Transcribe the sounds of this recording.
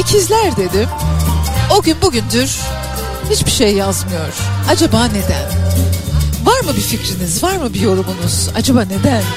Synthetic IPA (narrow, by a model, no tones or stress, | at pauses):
ecʰizlʲæɾd̪e̞d̪ɪ | o̞ɟynbuɟynd̪yɾ̥ | hit͡ʃbiʃe̞jːazmɯjo̞ɾ̥ad͡ʒabaːne̞d̪æn | vaɾmɯbificɾinizvaɾmɯbijo̞ɾumunuz̥a̰d͡ʒabaːne̞d̪æn